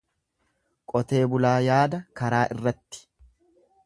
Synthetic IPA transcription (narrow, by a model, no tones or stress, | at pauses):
kʼɔt̪e̞ːbʊlaːjaːd̪ɐkɐɾaːʔɪrːɐt̪ːɪ̥